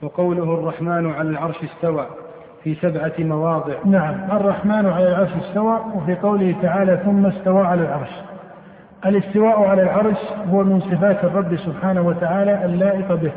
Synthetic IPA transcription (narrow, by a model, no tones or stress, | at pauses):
wɑqɑwlʊhɑrˤːɑħmaːnʕalalʕɑɾˤʃɪst̪awaː | fiːsabʕamɑwɑːðˤɨʕnaʕamʔɑrˤːɑħmaːnʕalalʕɑɾˤʃɪst̪awaːʔwafiːqɑwlɪhɪt̪aʕaːlaθʊmːast̪awaːʕalalʕɑɾˤʃ | ʔalɪst̪ɪwaːʔʕalalʕɑɾˤʃhʊwamɪnsˤɨfaːt̪ɑrˤːɑbːsʊbħaːnahwat̪aʕaːlaʔalːaːʔɪqbɪh